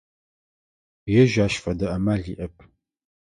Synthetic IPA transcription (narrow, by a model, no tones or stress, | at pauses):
jɛʒaːʃfɐdɐʔɐmaɮiːʔɐpʰʼ